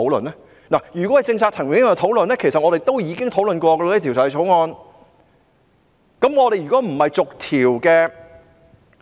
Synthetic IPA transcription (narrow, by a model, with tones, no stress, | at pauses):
o˨˥wlə̰˨nɛ˥ | naː˨˩jyː˨kwɔ˨˥hɐ˨jt͡sɪ˧ŋt͡sʰaː˧k̚t͡s̪ʰɐ˨˩ŋɥŋɪ˥ɐ˧t̪ʰwlɵ˨nlɛː˥kʰe˨˩jsɐ˨t̚ŋɔː˨˧e˨jt̪o˥wjiː˨˧kɪ˥ŋt̪ʰo˨˥wlɵ˨nkʷɔː˧ɡɐ˧a˧˥i˥i˨wt͡sɐ˨whɛ˨jt͡ʃʰo˨˥wŋɔː˧n | kɐ˨˥mŋɔː˨˧ɾe˨jyː˨˩kɔː˨˥m̩˨˩hɐ˨jt͡sʊ˨k̚t̪ʰiː˨˩wkɛː˧